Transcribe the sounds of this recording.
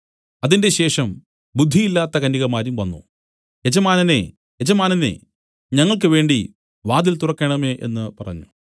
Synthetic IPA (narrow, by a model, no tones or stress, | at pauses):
ɐðinde̞ɕe̞ːʂɐm | bud̪ʱːijilːaːt̪ːɐkɐniɣɐmaːɾumʋɐnːṵ | ed͡ʑɐmaːnɐnḛ | jed͡ʑɐmaːnɐnḛ | ɲɐŋːɐɭk̬ɨʋe̞ːɳɖi | ʋaːd̪ilt̪urɐkːeɳɐmeʔe̞̰nːɨpɐrɐ̰ɲːu